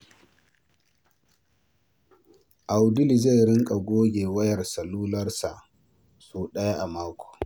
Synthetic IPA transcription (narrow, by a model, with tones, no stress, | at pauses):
ʔa˨wdɪ˦li˨za˦˨jɾɪ˦ŋkʼa˨ɡʷoː˦ɡʲeː˨wɐ˦jɐ˨rsɐ˨luː˦lɐ˦rsa˨ʔ | suː˨ɗɐ˦ja˦ʔa˨maː˦kʷo̥ː˨